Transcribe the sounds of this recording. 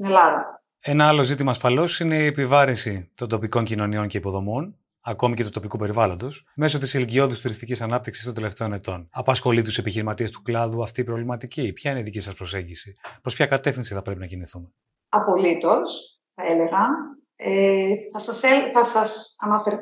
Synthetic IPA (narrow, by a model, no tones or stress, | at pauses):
st̪inelɐðɐ̰ | e̞nɐɐlo̞zit̪̬imɐːsfɐlo̞sine̞iepivɐɾinsit̪o̞nd̪opiko̞ɲcino̞nio̞ɲce̞ipo̞ðo̞mon | ɐko̞mice̞t̪ut̪o̞pikupe̞ɾivɐlo̞nd̪o̞sme̞so̞t̪isiliɟio̞ðist̪uɾist̪icisɐnɐp̚t̪iksist̪o̞nd̪ele̞ft̪e̞one̞t̪o̞nɐpɐsxo̞lit̪use̞piçiɾimɐt̪iest̪u̥klɐðuɐft̪iːpɾo̞vlimɐt̪icipçɐineiðicisɐspɾose̞ɲɟisipɾopçɐkɐt̪e̞fθinsiθɐpɾe̞pinɐciniθume | ɐpo̞lit̪o̞s | θɐeleɣɐ | eθɐsɐseθɐsɐsɐnɐfeɾ